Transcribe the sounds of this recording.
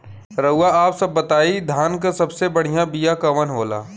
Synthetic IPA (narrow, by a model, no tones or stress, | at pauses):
ɾɐʊaaːpsɐbːɐt̪aːid̪ʱaːnkasɐbsebɐɽ̤ijabijakɐʋənɦoːla̰ː